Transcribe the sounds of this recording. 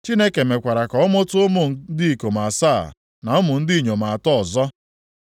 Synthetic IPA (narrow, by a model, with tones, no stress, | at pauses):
t͡ʃi˦ne˦ke˨me˨kʷa˨ɾa˨kɔ˨˦ɔ˦mʊ˦tʊ˦ʊ˦mʊ˨˦di˦i˨ko˨ma˨sa˦˨ | na˨ʊ˦mʊ˨n̩˦dɪ˦i˨ɲo˨ma˨a˨tɔ˦ɔ˨zɔ˦